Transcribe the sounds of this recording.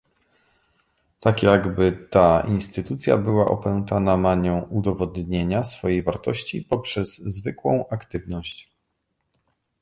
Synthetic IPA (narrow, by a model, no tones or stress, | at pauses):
t̪akjaɡbɘt̪ainst̪ɘt̪ut̪sʲja̰bɘwaʔɔpɛwnt̪anamaɲɔ̃w̃ud̪ɔvɔd̪ɲeɲasfɔjejvaɾt̪ɔɕt͡ɕipɔpʂɛzːvɘkwɔ̰̃w̃ʔakt̪ɘvnɔɕt͡ɕ